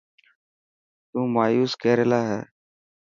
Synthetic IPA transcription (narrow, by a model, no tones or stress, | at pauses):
t̪ũːmaːjuːskeːɾeːlaːɦɛ̰ː